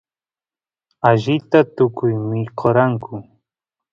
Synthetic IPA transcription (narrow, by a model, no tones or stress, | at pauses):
aʒɪt̪at̪ʊkʊjmɪqʰoɾaŋkʰʊ